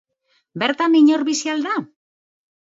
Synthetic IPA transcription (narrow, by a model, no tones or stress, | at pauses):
be̞ɾt̪amiɲoɾβisiald̪a